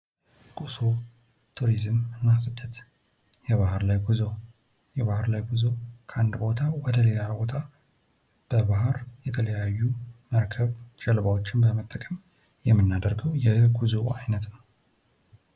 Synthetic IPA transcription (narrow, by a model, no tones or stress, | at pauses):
kʼuso | t̪ʰuɾizɨmɨnːasɨd̪ʰət̪ | jɛβaɦɾlajɡuzo | jɛβahɾlajɡuzokʰʔand̪bo̞t̪ʰawɔd̪əle̞labo̞t̪ʰa | b̥əbaɦɾjɛt̪ʰələjajːuməɾkʰəβt͡ʃɛlβawot͡ʃːɪnbəmət̪ʼːəkʼəm | jɛmːɨnːad̪əɾɡəwjɛɡuzoajnət̪nəw